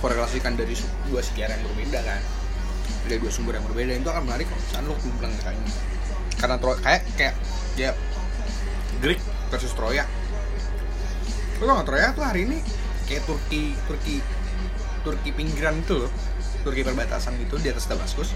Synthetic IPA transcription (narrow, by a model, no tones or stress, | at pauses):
poɾelasikandaɾis | duasə̥t̪iaɾjaŋbərbedakan | daɾiduasumbʊɾjaŋbərbedaint̪uakanmənaɾikai̥sanlʊk̚mbəlaŋak̪aɲa | karnat̪ɾokajaʔkajaʔ | ja | ɡɾɪk̚ | pərsʊst̪ɾojaʔ | ot̪oŋat̪ɾojakt̪uɦaɾiːni | kajaʔt̪urki | t̪ʊrki | t̪ʊrkipiŋɡiɾanit̪ulʊ | t̪ʊrkipərbat̪a̰sanɡit̪udiat̪asdamaskʊs